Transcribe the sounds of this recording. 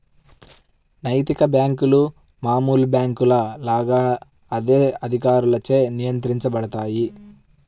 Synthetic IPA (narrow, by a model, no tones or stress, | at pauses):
nɐjt̪ikɐbjaːŋkulu | maːmuːlbjaːŋkulɐlaːɡaː | ɐd̪eːɐd̪ʱik̬aːɾulɐt͡ʃeːnijɐnt̪ɾiɲt͡ʃɐbɐɽɐt̪aːji